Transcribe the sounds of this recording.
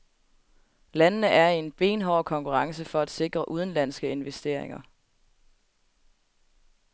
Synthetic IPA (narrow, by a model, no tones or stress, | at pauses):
lænənəʔæɐie̝nb̥e̝ːnɦɒʊkʰɒ̽ŋkʰuʁɑ̈ŋsəfɒ̽æd̥se̝ɡ̥ʁɐʔuð̞ˠn̩læn̰sɡ̥əe̝nʋesd̥e̝ɐ̰eŋɐ